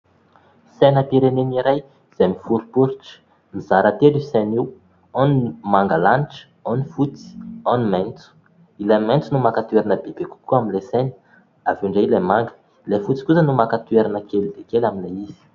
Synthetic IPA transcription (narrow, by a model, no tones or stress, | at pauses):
sɛnapiɾeneniɾaj | z̥emifuɾupuɾiʈ͡ʂə̥ | mizaɾat̪eliseniw | ɔnmaŋɡalaniʈ͡ʂə̥ | ɔnifut͡si̥ɔnimɛnt͡su̥ | ilemɛ̃nt͡sunumakat̪ueɾanəbebeku̥kuaminleseni̥ | avuɳɖ͡ʐailemaŋɡə̥ | lefut͡si̥kusənumakat̪ueɾanəkelid̪ekelaminlaiz̥i̥